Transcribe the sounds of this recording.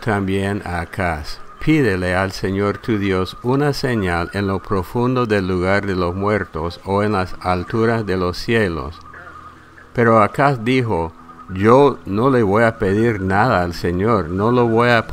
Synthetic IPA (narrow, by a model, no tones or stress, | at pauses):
t̪ambjena̰ːkʰaspʰiðelealseɲoɾt̪uðjo̞sunaseɲalenlo̞pɾofund̪oðe̞lːuɣaɾðelosmweɾt̪osoenlasalt̪uɾazðelo̞sːjelo̰s | pe̞ɾoakasd̪ixo | ʝono̞le̞βo̞jape̞ðiɾnaðaːlseɲoɾnoloβoja